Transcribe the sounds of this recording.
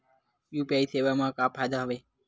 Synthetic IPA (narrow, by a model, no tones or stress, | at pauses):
jupjaisʰeʋamãkapʰad̪ɦaʋe